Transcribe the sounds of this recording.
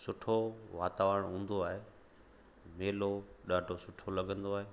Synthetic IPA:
sʊʈʰoʋaːt̪aːʋəəɽ̃ɦũːn̆d̪oaːɦeː | meːloɗaːɖʱosʊʈʰolɐɡʱə̃nd̪oaːɦeː

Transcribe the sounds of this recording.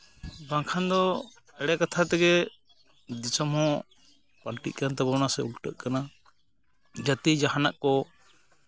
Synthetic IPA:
baŋkʰand̪ɔ | ɛɽɛkat̪ʰat̪ɛɡɛ | d̪isɔmhɔ̃ | palʈḭʔ̚kant̪abɔnasɛulʈəʔkana | d͡ʒat̪id͡ʒaɦanaʔkɔ

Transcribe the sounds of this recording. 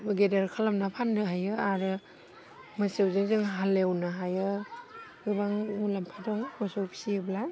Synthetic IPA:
ɡedaɾkʰalamnapʰandɯɦajɯaɾɯ | masewzɯŋzɯŋɦalewnaɦajɯ | ɡɯbaŋmulampʰadɔŋmɔsowpʰi̥siɯbla

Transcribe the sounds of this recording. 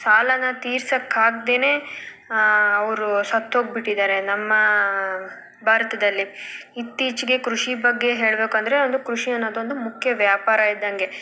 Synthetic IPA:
saːlɐnɐt̪iːɾsɐkːaːɡ̚d̪eːne̞ː | ɐʋɐɾusɐt̪ːo̞ːɡ̚biʈːid̪aːɾe̞nɐmːɐ | bʱaːɾɐt̪ɐd̪ɐlːiit̪ːiːt͡ʃiɡe̞kɾuʂibɐɡːe̞ɦe̞ːɭbeːkuɐnd̪ɐɾe̞ond̪ukɾuʂijɐnːɐd̪ond̪umukʰjɐʋjaːpaːɾɐid̪ːɐŋɡe̞

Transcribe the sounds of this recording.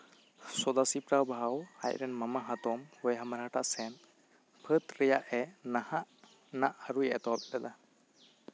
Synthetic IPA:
sɔd̪asipɾawbʱawha̰jɾɛnmamaɦat̪ɔmhɔjɦamaɾaʈʰaʔsɛn | pʰət̪ɾɛjaʔɛnahaʔ | naʔaɾujɛt̪ɔwap̚dad̪a

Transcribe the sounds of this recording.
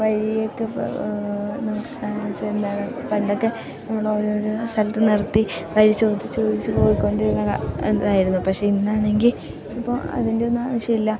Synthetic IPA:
ʋɐɾijokːɨ̰ | nɐmukːɨkaːɳit͡ɕːɨend̪aːɳepɐɳɖo̞kːe̞ | nɐmːɐɭo̞ːɾo̞ːɾust̪ʰɐlɐt̪ːɨnirt̪ːiʋɐɾit͡ɕo̞ːd̪it͡ɕːo̞ːd̪it͡ɕːupo̞ːjikːo̞ɳɖiɾunːɐɐ̰ḛnːðaːjiɾunːupɐkʂe̞inːaːɳe̞ŋɡil | ipːo̰ːɐ̰ðinde̞o̞nːuaːʋɐʂjɐmilːɐ

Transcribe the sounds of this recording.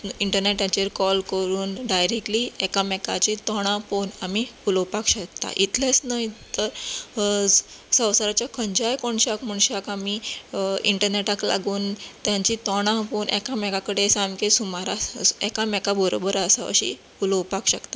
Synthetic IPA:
iɳʈəɾneʈjat͡ɕeɾkɔlkəɾuːnɖajɾek̚ʈliɛkamɛkat͡ɕit̪ɔɽ̃ãfonamiuləwpakɕək̚t̪a̰ʔit̪lasnəit̪əɾ | sə̃wsəɾat͡ɕjakʰəɲd͡ʑajkoɳɕakməɳɕakami | iɳʈəɾneʈakla̰ɡuːnt̪jaɲt͡ɕit̪ɔɽ̃ãfonʔɛ̰kamɛkakəɽesamkesumaɾaɛkamɛkabəɾobəɾəsaə̰ɕḭ | uləwpakɕəkt̪a

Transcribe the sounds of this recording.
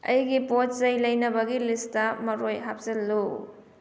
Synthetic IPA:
ɐ̰jɡipot̚zɐjlɐjnɐbɐɡilistɐmɐɾojɦap̚selːu

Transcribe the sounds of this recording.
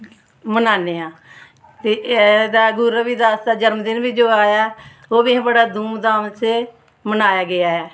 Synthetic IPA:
mənaːneːãː | t̪eːd̪aːɡʊɾəbiːd̪aːst̪aːd͡ʒəɾmd̪ɪnbiːd͡ʒoːaːjaː | oːbĩːbəɽaːd̪uːmd̪aːmse | mənaːjaːɡɪaːɛː

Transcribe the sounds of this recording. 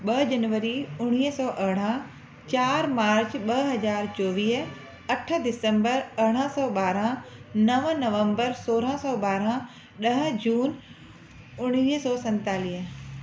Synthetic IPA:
ɓɐd͡ʑɐnʋəɾiʊɽ̃iːɦsɔːʔɐɦɽ̃ã | t͡ɕaːɾmaːɾt͡ɕɓɐɦɦɐzaːɾt͡ɕɔːʋiːɦ | ɐʈʰd̪ɪsə̃mbəɾɐɽ̃ãsɔːɓaːɾãnɐʋnɐʋə̃mbəɾsoːɾãsɔːɓaːɾã | ɗɐɦ̆d͡ʑuːn | ʊɽ̃iːɦsɔːsɐ̃nt̪aːliːɦ

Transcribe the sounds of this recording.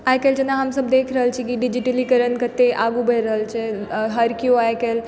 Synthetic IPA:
aːjkəld͡ʒənãɦamsəbd̪eːkʰɾəɦəlt͡ʃʰikiɖɪd͡ʒiʈəlikəɾənkət̪ːeʔaːɡubʱəjɾəɦəlt͡ʃʰeɦəɾkjoaːekəl

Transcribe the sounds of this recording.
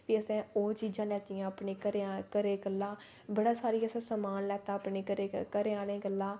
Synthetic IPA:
ʋiːəsɛ̃ːoːt͡ʃiːd͡ʒãːlɛːt̪iːãːəpɳeːkəɾkəɾeːɡəlːãː | bəɽaːsaːɾiːəsɛ̃ːsəmaːnlɛːt̪aːpɳeːəɾeːkəɾẽaːlẽːɡəlːãː

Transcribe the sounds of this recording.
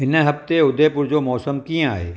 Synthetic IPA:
ɪnɦɐpt̪eʊd̪epʊɾd͡ʒomɔːsəmkĩa̰ːḛː

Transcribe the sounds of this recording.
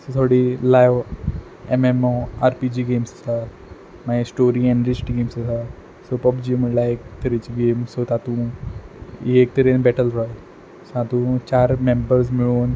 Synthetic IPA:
sot̪ʰoɽilajʋ | ememɔaɾpid͡ʑiːɡemsə̥sa | maisʈoɾiɛ̃ɳɖɾit͡ɕʈɡemsəsa | sopəpd͡ʑim̤əɳlaek̚t̪əɾit͡ɕiɡemsot̪at̪ũ | iek̚t̪əɾenbɛʈəlɾɔj | sat̪ũt͡ɕaɾmembəɾs̬miɭoːn

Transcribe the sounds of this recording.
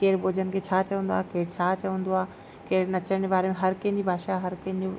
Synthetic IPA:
keːɾbʱoːd͡ʒənkʰet͡ʃʰat͡ʃɐə̃nd̪oaːkeːɾt͡ʃʰaːt͡ʃɐə̃nd̪oaː | keːɾnɐt͡ʃənebaːɾemẽɦɐɾkẽnibʱaːʃaɦɐɾkẽnu

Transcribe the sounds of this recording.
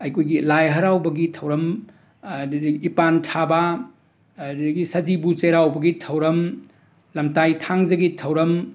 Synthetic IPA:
ɐjkʰojɡilajɦɐɾawbɐɡitʰɐwɾɐm | pantʰaba | ɡisɐd͡ʒibut͡ʃeɾawbɐɡitʰɐwɾɐm | lɐmtajtʰaŋzɐɡitʰɐwɾɐm

